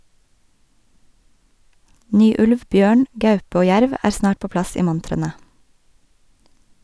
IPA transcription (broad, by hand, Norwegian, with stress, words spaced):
ˈnyː ˈʉlʋ ˈbjøːɳ ˈɡɑʉp ˈoː ˈjæɾʋ ˈæːɾ ˈsnɑːʈ ˈpoː ˈplɑs ˈiː ˈmʊntɾənə